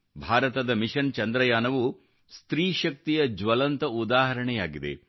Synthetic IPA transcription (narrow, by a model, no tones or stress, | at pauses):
bʱaːɾɐt̪ɐd̪ɐmiʃɐnt͡ʃɐnd̪ɾɐjaːnɐʋu | st̪ɾiːʃɐk̚t̪ijɐd͡ʒʋɐlɐnt̪ɐud̪aːɦɐɾɐɳɛjaːɡid̪ḛ